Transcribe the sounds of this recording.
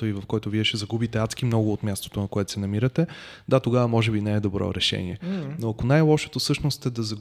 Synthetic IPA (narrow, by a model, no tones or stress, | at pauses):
əivɐfkɔjt̪ʊviɛʃɛzɐɡubit̪ɛat̪sk̟imnɔɡʊːot̪mʲjast̪o̥t̪onɐkoɛt̪o̥sɛnɐmiɾət̪ɛd̪at̪oɡavɐmɔʒɛbinɛɛd̪obɾɔ̰ɾɛʃɛ̰nḭɛnoɐkonajlˠɔʃo̥t̪ofsɤʃnost̪ɛd̪ɐzɐɡ